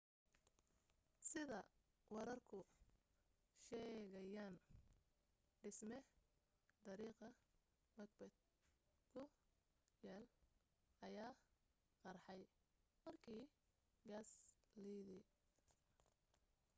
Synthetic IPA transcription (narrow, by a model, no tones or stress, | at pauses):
sɪðɐ | wɐɾɐrkʰʊ | ʃɛːɣɐjaːn | ɖɪsmɛ | d̪ɐɾiːqɐ | mɐɡ̚bɛd̪̚ | kʰʊ | jaːl | ʔɐjaː | qɑrħɑj | mɐrkʰiː | ɡaːsliðɪ